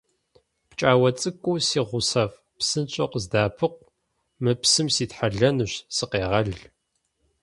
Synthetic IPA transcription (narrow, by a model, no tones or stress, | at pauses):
pt͡ʃʼaːwɐt͡sʼɨkʷʼusiːʁʷʊsɐf | psɨnt͡ʃʼɐqʷzdaːpʰɨqʷ | mɨpsɨmsiːtħaɮɐnɨɕsɨqeːʁɐɮɮ